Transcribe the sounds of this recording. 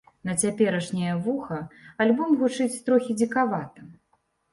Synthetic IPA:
nɐt͡sʲapʲɛɾɐʂnʲɐjɐvuxɐalʲbɔmɣut͡ʂɨt͡sʲt̪ɾɔxʲid͡zʲikavat̪ɐ

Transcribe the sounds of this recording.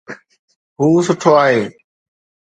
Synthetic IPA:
ɦuːsʊʈʰoːaːɦeː

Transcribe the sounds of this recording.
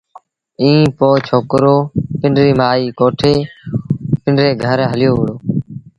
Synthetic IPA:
ĩːpoːt͡ʃʰoːkɾoːpɪɳɾiːmaːiːkoːʈʰeː | pɪɳɖɾeːɡʱəɾɦəljoːʋəɽoː

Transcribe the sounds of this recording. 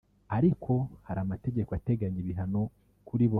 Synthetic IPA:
aɾikʰo̞haɾamate̞ɟe̞koate̞ɡaɲiβiɦano̞ | kʰuɾiβo

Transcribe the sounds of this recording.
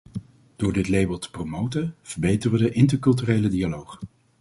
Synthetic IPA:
d̥ʊːɹdɪtlejbəlˠtə̥prowmowtəv̥əɹbejtərədəʔɪntəɹkɵlˠt̬yrejlədialowχ

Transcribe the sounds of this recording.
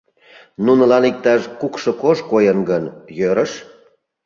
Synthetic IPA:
nunə̆lɑnik̚t̪ɑʃkukʃɤ̆koʒkojənɡənjøɾəʃ

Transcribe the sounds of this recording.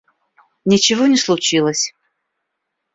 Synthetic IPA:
nʲɪt͡ɕɪvonʲɪslˠʊt͡ɕilˠəsʲ

